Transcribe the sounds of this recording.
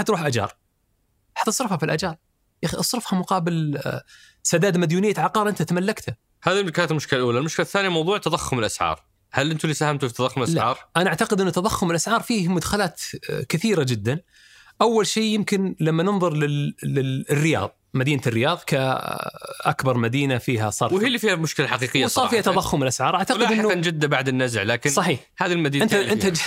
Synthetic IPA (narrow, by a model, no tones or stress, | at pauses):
ħat̪ɾuːħʔad͡ʒɑ̰ːɾˤ | ħat̪ːɑ̥sˤɾɪfhafilʔa̰d͡ʒɑːɾˤ | jaxiʔɑsˤɾɨfhamʊqɑːbɪl | sad̪aːd̪mad̪juːnɪjːaʕɑqɑːɾˤʔɪnt̪at̪amalːakt̪ha | haːðikaːt̪lmʊʃkɪlalʔuːlalmʊʃkɪlθːaːnjmɑwðˤuːʕt̪ɑðɑxːʊmɪlʔasʕɑ̰ːɾˤ | halʔɪnt̪uliːsahamt̪ufit̪ːɑðˤɑxːʊmlʔaslaʕɑ̰ːɾˤʔanaʔaʕt̪aqɪd̪ʔɪnːʊt̪ːɑðˤɑxːʊmɪlʔasʕɑːɾˤfiːhmʊd̪xalaːt̪kɪθiːɾad͡ʒɪd̪ːan | ʔawːalʃiːjɪmkɪnlamːanɪnðˤʊɾˤlɪlɪɪrːɪjɑ̰ːðˤmad̪iːnarːɪjɑːðˤka | ʔa̰kbɑɾˤmad̪iːnafiːɦasˤɑːɾwhiːlːiːfiːhamʊʃkɪlaħaqiːqɪjːsˤɑːɾfiːhat̪ːɑðˤɑxːʊmɪlʔasʕɑːɾˤʔaʕt̪alɪd̪ɪnːʊand͡ʒɪd̪ːabaʕd̪ɪnːazʕlaːkɪnsˤɑħiːħhaːðilmad̪iːɪnaʔɪnt̪a